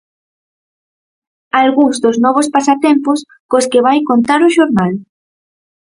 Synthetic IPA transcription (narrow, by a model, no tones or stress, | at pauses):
alɣuŋzd̪ʊznɔβ̞ospasat̪ɛmpʊs | koskɪβ̞ajkont̪aɾʊʃoɾnal